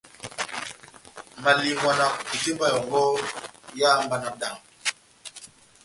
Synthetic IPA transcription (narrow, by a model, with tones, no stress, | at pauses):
ma˨li˨mba˨na˨ki˨ti˦mba˦˨jɔ˨ɡɔ˦ja˦mba˨na˨k̚da˨ŋ